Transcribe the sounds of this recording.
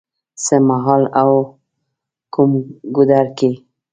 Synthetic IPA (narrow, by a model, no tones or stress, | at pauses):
səmaɦɑlaw | kumɡʊd̪aɾke